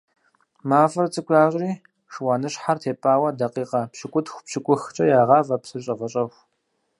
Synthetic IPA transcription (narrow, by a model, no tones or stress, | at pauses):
maːfɐrt͡sʼɨkʷʼaːɕʷʼriː | ʂwaːnɨɕħartʰeːpʼaːwɐdɐqiːqɐpɕɪkʷʼʊtxʷʊpɕɪkʷʼʊxt͡ʃʼɐjaːʁɑːvɐpsɨɕʼɐvɐɕʼɐxʷ